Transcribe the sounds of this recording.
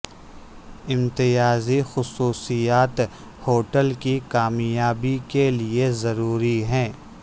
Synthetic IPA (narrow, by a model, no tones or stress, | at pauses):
ɪ̃mt̪ɪjaːzixʊsuːsijaːt̪ | hoːʈəlkikaːmjaːbikeliezɐɾuːɾiɦɛ̃ː